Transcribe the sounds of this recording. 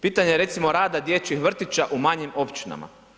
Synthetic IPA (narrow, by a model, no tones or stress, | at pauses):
piːt̪aɲejeɾe̞t̪simo̞ɾaːd̪ad̪jet͡ɕixʋr̩t̪it͡ɕaʔumaɲimo̞pt͡ʃina̰ma̰